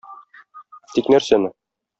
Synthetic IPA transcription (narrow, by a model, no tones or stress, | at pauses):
t̪iknæɾsænɘ